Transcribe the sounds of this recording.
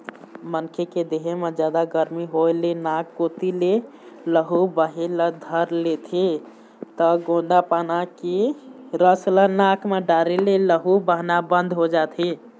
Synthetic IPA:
mənkʰeked̪eɦemed͡ʒjad̪aɡəɾmiɦolenakːot̪ile | ləɦubəɦeləd̪ʱəɾlet̪ʰi | t̪əɡõnd̪apanakiɾəslənakʰmeɖaɾeleləɦubəɦnabə̃nd̪ʱɦod͡ʒat̪ʰi

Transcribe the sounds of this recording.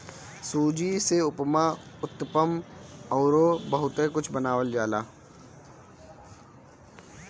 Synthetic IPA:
suːd͡ʒiseʊpmaːʊt̪ːpəmɔːɾoːbɐɦʊt̪ekʊt͡ʃʰbənaːʋəld͡ʒaːlaː

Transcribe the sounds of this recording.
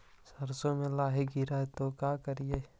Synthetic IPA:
sɐɾsõmẽlaːɦeɡiɾaet̪okaːkəɾijeː

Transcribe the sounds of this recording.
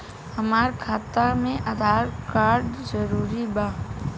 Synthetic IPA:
əmaːɾkʰaːt̪amẽʔəd̪ʱaːɾkaːɾɖzəɾuːɾibaː

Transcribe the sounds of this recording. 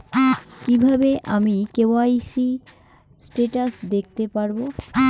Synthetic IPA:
kibʱabeʔamikewajsi | sʈeʈasd̪ek̚ʰt̪epaɾbo

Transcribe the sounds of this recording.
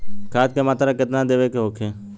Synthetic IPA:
kʰaːt̪̚keːmaːt̪ɾaːkɪt̪nãːd̪eːʋeːkeɦoːkʰẽː

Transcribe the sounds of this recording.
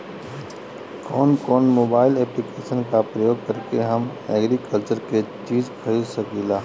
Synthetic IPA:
kɔːnkɔːnmoːbaːɪlɛːplikeːʃənkapɾəjoːɡ̚kɐɾkeɦɐmɛːɡɾikəlt͡ʃəɾket͡ʃiːzkʰɐisɐkilaː

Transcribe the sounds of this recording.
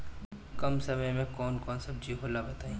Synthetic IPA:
kɐmsɐməjmẽkɔːnkɔːnsɐb̚d͡ʒiɦolabɐt̪aːĩ

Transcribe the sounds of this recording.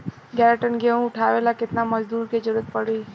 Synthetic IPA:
ɡɛɾəʈənɡeũʊʈʰaʋelakɪt̪naməd͡ʒd̪uːɾked͡ʒəɾuət̪̚pəɽuj

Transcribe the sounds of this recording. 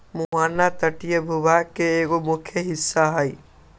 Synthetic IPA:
muɦaːnat̪əʈijəbʱubakːeeɡomʊkʰjəɦɪsːaɦəj

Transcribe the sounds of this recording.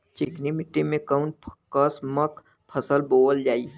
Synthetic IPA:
t͡ʃeknimɪʈːemẽkaʊɳʈ̚ʰkəsmək | pʰəsəlboːəld͡ʒaːi

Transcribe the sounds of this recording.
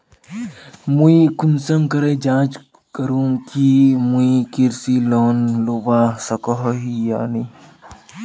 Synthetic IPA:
muikunsɐmkɐɾeːd͡ʒãːt͡ʃ | kɐɾũkimuikiɾsiloːnlubaːsɐkɔɦɦija̰ːni

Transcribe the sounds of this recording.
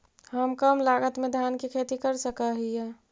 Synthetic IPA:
həmkəmlaːɡət̪mẽd̪ʱjaːnkikʰeːt̪ikəɾsəkaɦijɛ

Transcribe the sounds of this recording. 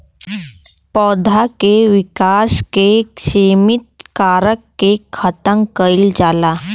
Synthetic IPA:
pɔːd̪ʱakeʋɪkaːskekʃeːmit̪̚kaːɾəkːekʰət̪əŋkəild͡ʒaːlaː

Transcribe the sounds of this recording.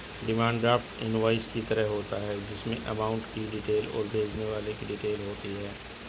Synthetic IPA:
ɖɪmãːɳɖɖɾaːfʈɪ̰nʋaːɪskit̪ɐɾəɦɦoːt̪aɦɛːd͡ʒɪsmẽʔɐmaːʊ̃ɳʈkiɖɪʈeːlɔ̰ːɾbʱeːd͡ʒneʋaːlekiɖɪʈeːlɦoːt̪iɦɛː

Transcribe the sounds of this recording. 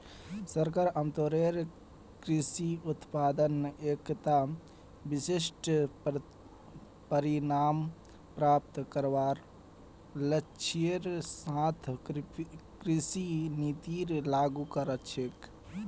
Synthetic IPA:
səɾkaɾəmt̪oɾeɾ | kɾisiut̪pad̪ənekt̪a | bisisʈ | pəɾinam | pɾap̚t̪kəɾʋaɾ | lət͡ʃʰieɾsãt̪ʰ | kɾisinit̪iɾlaɡukəɾətt͡ʃʰek

